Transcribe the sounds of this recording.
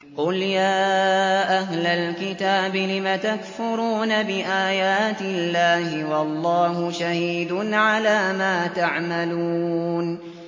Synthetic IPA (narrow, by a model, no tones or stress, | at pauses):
qʊljaːʔaɦlalkɪt̪aːbɪlɪmat̪akfʊɾuːnabɪʔaːjaːt̪ɪlːaːhɪwɑlˤːɑːhʊʃahiːd̪ʊnʕalaːmaːt̪aʕmalun